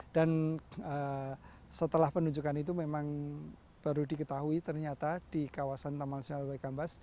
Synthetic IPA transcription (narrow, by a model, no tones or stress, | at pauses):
d̥anə | sət̪əlahpənuɲd͡ʒukanit̪umemaŋ | b̥aɾudikət̪aɦuit̪ərɲat̪ad̥ikawasant̪amanasonalbaikambas